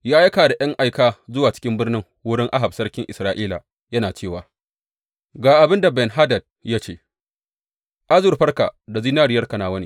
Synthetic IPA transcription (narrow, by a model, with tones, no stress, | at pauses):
jaː˦jɐ˦kaː˨da˨jɐ˦ŋʔa˨jkaː˨zʊ˦waː˨t͡ʃɪ̥˦kʲɪ˦mbɪ˦rnɪ˦ŋ | wʊ˦ɽɪ˦ŋʔa˦ɦa˨bsɐ˦rkʲɪ˦ŋʔɪ˨sɾaː˨ʔiː˦la̰ː˨ | jɐ˦naː˨t͡ʃeː˦˨waː˨ | ɡaː˨ʔa˨bɪ˦nda˨bɛ˨nɦa˦dɐ˨d̚ja˦t͡ʃḛː˦˨ | ʔa˦zʊ˨rɸɐ˦rka̰˨da˨ziː˦naː˦ɽɪ˨jɐ˦rka˨naː˨wɐ˦niː˦